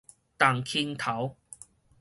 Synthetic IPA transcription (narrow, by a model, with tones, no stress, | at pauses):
t̪aː˨˩ŋkʰi˧nt̪ʰɐ˨˥w